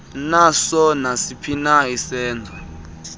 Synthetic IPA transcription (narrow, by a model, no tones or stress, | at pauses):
nasɔnasipʰinaisɛːnd͡zʱɔ